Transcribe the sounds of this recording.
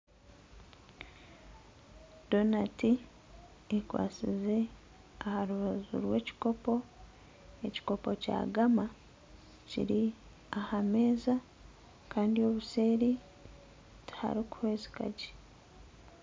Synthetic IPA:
d̥o̞nati | ekwa̰ːsḭze̞ | ahaɾuβazṵɾwe̞ːci̥ko̞po̞ | e̞ci̥ko̞po̞ca̰ːɡama | cḭɾi | ahame̞ːza | kaːndio̞ːβuse̞ːɾi | ti̥ha̰ɾiku̥hweːzi̥ka̰ɟe̥

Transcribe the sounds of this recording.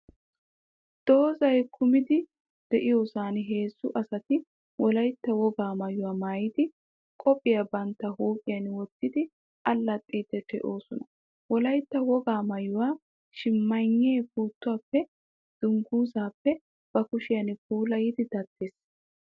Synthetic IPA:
d̪̥o̞ːzɐjkʰʊmɪd̪ɪ | d̪̥ɛʔɪjoːsaːnɦe̞ːsːʊʔɐsɐt̪ɪ | wʔɔlɐjt̪ːɐwɔɡaːmɐjʊwaːmaːjɪd̪ɪ | kʼɔpʼːɪjɐbɐnt̪ːɐhuːkʼɪjɐnwɔt̪ːɪd̪ɪ | ʔɐlːɐt̪ʼːiːt̪ːɛt̪ɛ̰ʔo̞ːsɔnɐ | wɔlɐjt̪ːɐwɔɡaːmɐjʊwaː | ʃɪmːɐɲːeːfuːt̪ːʊwaːpːɛ | d̪̥ʊŋɡuːzaːpːɛ | b̥ɐkʊʃɪjɐnk̚uːlɐjɪd̪ɪd̪ɐt̪ːeːs

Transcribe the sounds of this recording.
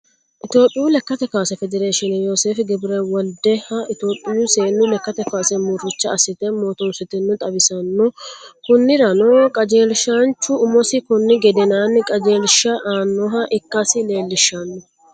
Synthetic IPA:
ʔɪt̪o̞ːpʼːɪjʊlɛkːɐt̪ɛkaːsɛfɛd̪ɛɾeːʃɪnɛjo̞ːseːfɪɡɛbɪɾewɔld̪ɛhɐʔɪt̪o̞ːpʼːɪjʊseːnːʊlɛkːɐt̪ɛkaːsɛmʊrːɪt͡ʃːɐːsɪt̪ɛmoːt̪ɔmsɪt̪ɪnːʊt̪ʼɐbɪsɐnːɔkʊnːɪɾɐnɔkʼɐd͡ʒe̞ːlʃaːnt͡ʃːʊʊmɔsɪkʊnːɪɡɛd̪ɛnaːnɪkʼɐd͡ʒe̞ːlʃɐʔaːnːɔɦɐʔɪkːɐsɪle̞ːlːɪʃːɐnːɔ

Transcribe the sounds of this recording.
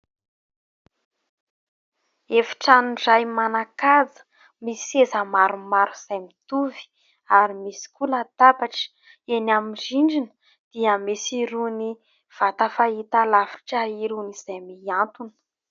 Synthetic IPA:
efi̥ʈ͡ʂanuɖ͡ʐajmanakazə̥ | misezəmaɾumaɾuz̥ajmit̪uvi̥ | aɾimisi̥kuləd̪̥abaʈ͡ʂə̥ | enamiɖ͡ʐiɳɖ͡ʐinə̥ | d̪̥iəmisiɾuni | v̥at̪afait̪alafi̥ʈ͡ʂəiɾuniz̥ajmiant̪unə̥

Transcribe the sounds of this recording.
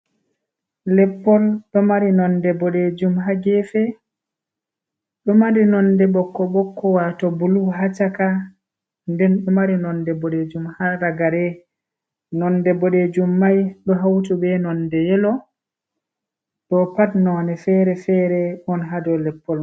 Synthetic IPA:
lɛpːɔlɗɔmaɾinɔndɛbɔɗed͡ʒumɦaɡɛfɛ | ɗɔmaɾinɔndɛɓɔkːɔɓɔkːɔwatɔbuluɦat͡ʃaka | ndɛnɗɔmaɾinɔndɛbɔɗed͡ʒumhaɾaɡaɾɛ | nɔndɛbɔɗɛd͡ʒumːajɗɔɦawtubɛnɔndɛjɛlɔ | ɗɔpatnɔːnɛfɛːɾɛfɛːɾɛʔɔnɦadɔlɛpːɔl

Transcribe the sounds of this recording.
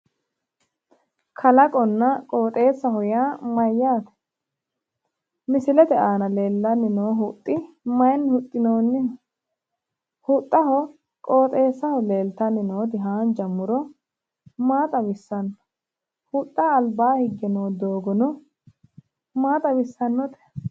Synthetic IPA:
kʰɐlɐkʼɔnːɐkʼoːt̪ʼe̞ːsːɐhɔjaːmɐjːaːt̪ɛ̥ | mɪsɪlɛt̪ɛaːnɐle̞ːlːɐnːɪnoːɦʊt̪ʼːɪ | mɐjnhʊt̪ʼːɪnoːnːɪ | hʊt̪ʼːɐhɔ | kʼoːt̪ʼe̞ːsːɐhɔleːlt̪ɐnːɪnoːt̪ɪɦaːnd͡ʒɐmːʊɾɔ | maːt̪ʼɐwɪsːɐnːɔ | hʊt̪ʼːaːlbaːhɪɡːɛnoːd̪oːɡɔnɔ | maːt̪ʼɐwɪsːɐnːɔt̪ɛ̥

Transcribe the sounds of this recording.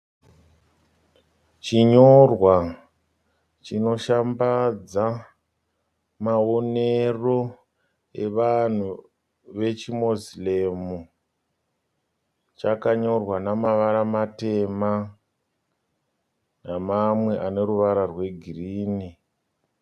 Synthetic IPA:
t͡ʃiɲorwa | t͡ʃino̞ʃambad͡za | maone̞ro̞ | e̞ʋan̤u | ʋe̞t͡ʃimozilemu | t͡ʃakaɲo̞rwanamaʋaɾamate̞ma | namamwe̞ʔane̞ɾuʋaɾarwe̞ɡʱiriːni

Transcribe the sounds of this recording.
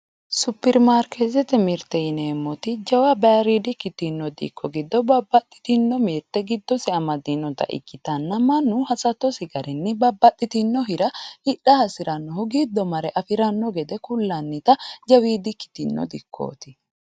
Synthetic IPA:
sʊpːɪɾmaːɾkezɛt̪ɛmɪɾt̪ɛɪneːmːɔt̪ɪd͡ʒɐwɐbɛɾid̪ɪkːɪt̪ɪnːɔd̪ḭkːɔɡɪd̪ːɔbɐbːɐt̪ʼːɪ̥t̪ɪnːɔmeːɾt̪ːɛɡɪd̪ːɔsɪɐmɐd̪inːɔt̪ɐ̰ʔɪ̰kːɪt̪ɐnːɐmɐnːʊhɐsɐt̪ːɔsɪɡɐɾɪnːɛbɐbːɐt̪ʼːɪt̪ɪnːɔɦɪɾɐhɪᶑɐhɐsɪɾɐnːɔhʊɡid̪ːɔmɐɾɛʔɐfɪɾɐnːɔɡɛd̪ɛkʊlːɐnːɪt̪ɐd͡ʒɐwiːd̪ɪkːɪ̥t̪ɪnːɔ̰d̪ɪkʰːo̰ːt̪ɪ

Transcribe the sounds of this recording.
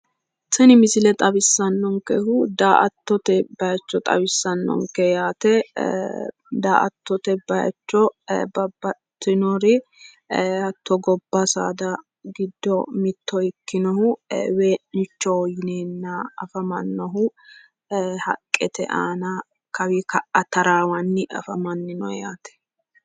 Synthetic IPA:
sɛnɪmɪsɪlɛt̪ʼɐbɪsːɐnːɔŋkɛhʊd̪aːʔɐt̪ːɔt̪ɛbɐjɐt͡ʃːɔt̪ʼɐ̰bɪsːɐnːɔ̰ŋkɛjaːt̪ɛ | d̪aːʔɐ̰t̪ːɔt̪ɛbɐjɐ̰t͡ʃːɔbɐbːɐt̪ːɪnɔɾɪ | hɐt̪ːɔɡɔbːɐsa̰ːd̪ɐ | ɡɪd̪ːɔmɪt̪ʰːɔɪkːɪnɔɦʊweːʔɪt͡ʃːɔjɪneːnːɐɐfɐmɐnːɔɦʊ | hɐ̰kʼːɛt̪ɛ̰ʔaːnɐ | kɐwɪkɐʔɐt̪ɐɾaːwɐnːɪʔɐ̰fɐmɐnːɪnɔjaːt̪ɛ̥

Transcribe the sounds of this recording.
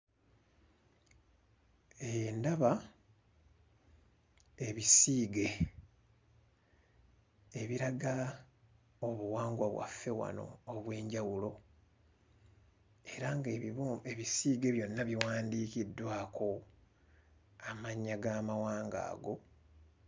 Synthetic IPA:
endaβa | e̞βisiːɡe̞ | βiɾaɡa | oβuwaːŋɡwaβwa̰fːe̞wa̰no̞̰ːβwe̞ːɲɟawulo̞ | e̞ɾaŋɡeβisiːɡe̞βjo̞nːaβiwaːndiːkidːwaːkʰo̞ | amaɲːaɡaːmawaːŋɡa̰ːɡo̞

